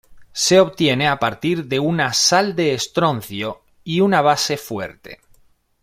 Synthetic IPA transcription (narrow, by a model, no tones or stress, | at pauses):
se̞o̞βt̪je̞ne̞apaɾt̪iɾðe̞unasald̪e̞ːst̪ɾo̞n̟θjo̞ | iunaβ̞ase̞fwe̞̰ɾt̪e̞̰